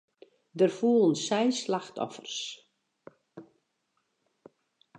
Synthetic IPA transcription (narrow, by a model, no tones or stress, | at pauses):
dərfuəlˠənsɛjslaxtʰɔ̰fərs